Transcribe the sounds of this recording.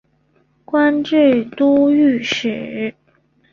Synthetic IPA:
kwa˥nʈ͡ʂɻ̩˥˩t̪u˥y˥˩ʂɻ̩˨˩˦

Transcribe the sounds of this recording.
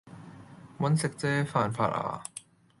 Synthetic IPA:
mɐ˧˥nse˨k̚t͡seː˦faː˨˩nfʰa̰ː˧˩ʔʔa̰ː˧˩

